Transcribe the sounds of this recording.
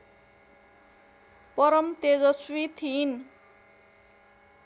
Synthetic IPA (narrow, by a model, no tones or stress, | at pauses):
pʌɾʌmt̪ed͡zʌswit̪ʰin